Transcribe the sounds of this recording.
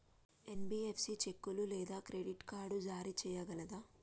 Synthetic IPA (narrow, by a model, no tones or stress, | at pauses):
e̞nbiːepsit͡ʃe̞kːululɛːd̪aːkɾeɖiʈkaːɾɖud͡ʒaːɾit͡ʃɛːjɐɡɐlɐd̪aː